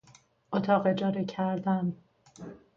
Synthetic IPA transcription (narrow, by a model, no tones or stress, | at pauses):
ot̪ʰɒːɣed͡ʒɒːɾecʰæɾd̪æn